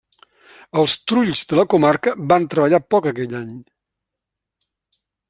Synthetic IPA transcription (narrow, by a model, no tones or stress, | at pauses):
əlˠst̪ɾuʎzd̪ələkumarkəβant̪ɾəβəʎapɔkəkɛʎaɲ